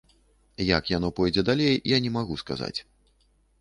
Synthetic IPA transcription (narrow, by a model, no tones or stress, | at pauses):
jakjan̪ɔpɔjd͡zʲɛd̪alʲejjanʲɛmaɣuska̰za̰t͡sʲ